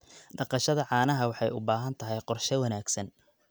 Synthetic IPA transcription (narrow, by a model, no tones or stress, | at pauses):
ɖɑqɑʃɐðɐʕɑːnɐɦɐwɑħɑjʊbaːɦɐnt̪ʰɐɦɛjqɔrʃɛwɐnaːɡsɐn